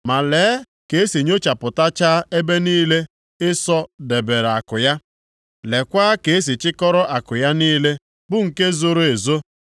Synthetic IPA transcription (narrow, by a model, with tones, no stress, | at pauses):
ma˨leː˨˦ | ke˨e˦si˨ɲo˦t͡ʃa˨pʊ˨ta˦t͡ʃaː˦e˦be˦niː˦le˦ | ɪ˦sɔ˦de˨be˨ɾa˨kʊ˨ja˦ | le˨kʷaː˦ke˨e˦s̬i˨t͡ʃɪ˦kɔ˦ɾɔ˦ʔa˨kʊ˨ja˦niː˦le˦ | bʊ˦ŋ̩˨ke˦zo˨ɾo˨e˨zo˦